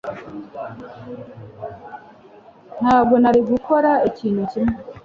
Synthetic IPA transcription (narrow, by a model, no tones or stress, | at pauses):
n̥haːb̚ɡo̞naɾiɡukʰo̞ɾaiciːnhucime